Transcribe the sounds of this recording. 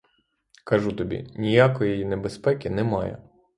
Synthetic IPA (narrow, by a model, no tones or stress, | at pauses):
kɐʒut̪ɔbʲḭnʲijakɔjijinebespɛkʲɪnɛmɑjɐ̰